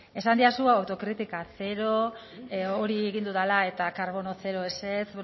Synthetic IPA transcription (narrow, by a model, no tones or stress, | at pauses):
e̞sand̪iasuawt̪o̞kɾit̪ikaθe̞ɾo̞ | oɾieɣind̪uðalae̞t̪akaɾβo̞no̞θe̞ɾo̞e̞set͡s